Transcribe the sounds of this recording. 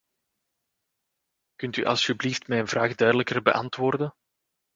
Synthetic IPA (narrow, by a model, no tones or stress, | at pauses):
kɵntyʔɑ̰lˠsybliftmɛjənvraːɣdœɥdələkərbə̰ʔɑntʋoːrdən